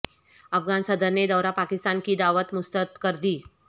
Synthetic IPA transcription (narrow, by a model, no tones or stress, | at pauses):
əfɡansəd̪ənːed̪əwɾapakist̪ankiːd̪aʋət̪must̪ət̪kəɾd̪iː